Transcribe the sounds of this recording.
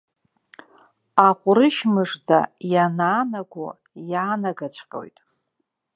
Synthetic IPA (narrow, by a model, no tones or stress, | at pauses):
aχʷʼʊɾɨʃmɨʂda̰janaːnaɡʷo̰ | jaːnaɡat͡ɕʷʰqʲʼo̞̰jtʼ